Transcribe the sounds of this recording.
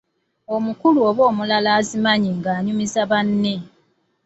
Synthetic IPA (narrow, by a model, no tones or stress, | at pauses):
o̞mukuluoβo̞ːmulalaːzimaɲiŋɡaːɲumizaβanːe